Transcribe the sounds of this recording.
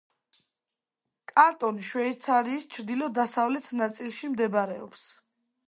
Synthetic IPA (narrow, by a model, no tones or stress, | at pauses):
kʼaɾt̪ʼɔniʃwɛit̪sʰaɾiːst͡ʃʰɾd̪ilɔd̪asavlɛt̪ʰnat̪sʼilˠʃimd̪ɛbaɾɛɔps